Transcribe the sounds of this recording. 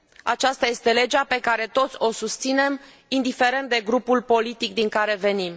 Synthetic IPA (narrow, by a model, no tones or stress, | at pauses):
a̰t͡ʃast̪aje̞st̪e̞le̞d͡ʒape̞kaɾe̞t̪o̞t̪sʲo̞sust̪sine̞m | ind̪ife̞ɾe̞nt̪̚d̪e̞ɡɾupulpo̞lit̪ikd̪iŋkaɾe̞ve̞nim